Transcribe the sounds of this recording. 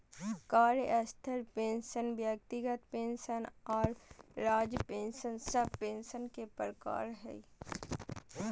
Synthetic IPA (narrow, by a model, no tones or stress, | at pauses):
kaːɾjəʔəst̪ʰəɾpẽːnsənbjək̚t̪ɪɡət̪pẽːnʃənɔːɾɾaːd͡ʒpẽːnʃənsəb̚pẽːnsənkepɾəka̰ːɾɦɛ̰ː